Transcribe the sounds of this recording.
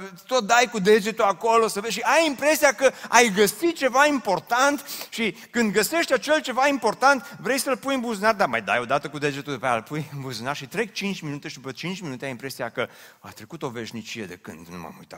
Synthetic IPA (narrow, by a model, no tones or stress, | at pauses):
t̪ot̪̚d̪ajkud̪e̞d͡ʒe̞t̪uako̞lo̞səveʃ̬iajimpɾe̞siakəajɡəsit̪̚t͡ʃe̞vaimpo̞rt̪ant̪ʃi | kɨnd̪ɡəse̞ʃt̪ʲat͡ʃe̞lt͡ʃe̞vaimpo̞rt̪ant̪vɾe̞jsəlpujɨmbuzunard̪ama̰jd̪a̰jo̞d̪at̪əkud̪e̞d͡ʒet̪ud̪epealpujɨmbuzunarʃit̪ɾe̞k̚t͡ʃint͡ʃʲminut̪e̞ʃid̪upət͡ʃint͡ʃʲminut̪eajimpɾe̞siakə | a̰t̪ɾekut̪o̞ve̞ʃnit͡ʃije̞d̪e̞kɨ̰nd̪nṵma̰mṵjt̪a̰t̪